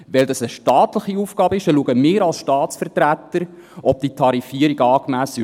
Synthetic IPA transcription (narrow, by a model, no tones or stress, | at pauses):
vɛld̪ɑsəʃtɑːt̪ləχiufɡ̥ɑːbəɪʃəluəɡəmɪːɾɑlsʃtɑːt̪t͡sfərtɾæt̪ːəɾ | ɔb̥̚d̥̪it̪ʰɑɾifiəɾiɡɑːkmæːsə